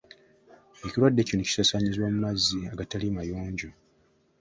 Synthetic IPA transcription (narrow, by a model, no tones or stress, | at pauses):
e̞ciɾwadːeconoci̥sasaɲizwoːmumazːiaɡatalimajoːɲɟo